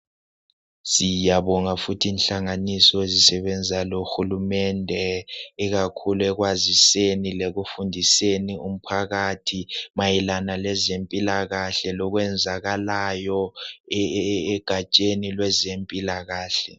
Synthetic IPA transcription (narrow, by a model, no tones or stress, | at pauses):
sijaβɔŋafutʰiːnɬaŋanisɔezisɛβɛnd͡zʱaloxulumɛndʱɛːɣakʰuluɛɣwazisenileɣufundʱisenium̩pʰaɣatʰimajilanalɛzempʼilaɣaɬɛlɔɣwɛnd͡zʱaɣalajɔ | ɡ̥ʱat͡ʃʼenilwɛzempʼilaɣaːɬɛ